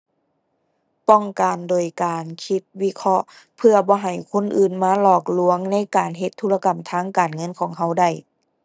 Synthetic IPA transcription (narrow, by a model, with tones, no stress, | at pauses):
pɔ˧˩ŋka˨˩ndoː˨˩jkaː˨˩nkʰi˧˥t̪̚wi˧˥kʰɔ˧˥ʔ | pʰɯ˧ɐbɔː˧˦ɦa˨˩jkʰo˧˥˨nʔɯː˨˩nmaː˧˥˨lɔː˧˩k̚lu˧əŋna˧˥˨jkaː˨˩nɦe˧˦t̪ʰːuː˧˥la˧ka˨˩mt̪ʰaː˧˥˨ŋkaː˨˩nŋɤ˧˥˨nkʰɔː˨˩˦ŋɦa˧˥˩wda˧˩j